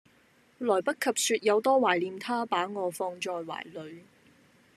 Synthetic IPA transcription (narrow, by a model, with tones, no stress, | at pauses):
lɔː˨˩jpɐ˥t̚kʰːɐ˨p̚syː˧t̚jɐ˨˧wt̪ɔː˥waː˨˩jliː˨˧mt̪ʰaː˥paː˨˥ŋɔː˨˧fɔː˧ŋt͡ʃɔː˧jwa̰ː˨˩jlɵ˨˧ɥ